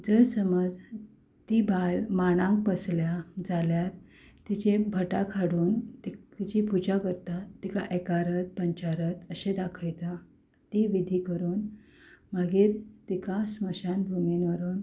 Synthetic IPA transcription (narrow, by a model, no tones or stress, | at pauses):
d͡zəɾsəməd͡z | t̪ibalmaɽ̃ãŋk̚pəsljad͡zaljaɾ | t̪it͡ɕebʱəʈakʰaɽuːnt̪it̪it͡ɕipud͡ʑakəɾt̪at̪ikaʔekaɾət̪̚pəɲt͡ɕaɾət̪əɕed̪akʰəjt̪a | t̪iʋid̪ʱikəɾuːn | maɡiːɾt̪ikasməɕanbʱuminʋəɾuːn